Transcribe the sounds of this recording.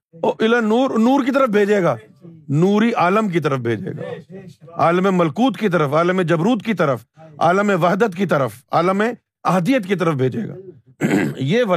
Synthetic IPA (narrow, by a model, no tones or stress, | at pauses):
oːʔɪlənuːɾnuːɾkit̪̬ɐɾəfbʱeːd͡ʒeːɡaːnuːɾiʔaːləmk̬it̪̬ɐɾəfbʱeːd͡ʒḛːɡa̰ːa̰ːləmẽmɐlkuːt̪kit̪̬ɐɾəfaːləmẽd͡ʒɐbɾuːt̪kit̪ɐɾəfa̰ːləmẽʋɐɦd̪ət̪kit̪ɐɾəfa̰ːləmẽ | ɐɦd̪ijət̪kit̪̬ɐɾəfbʱeːd͡ʒḛːɡa̰ː | jeːʋɐ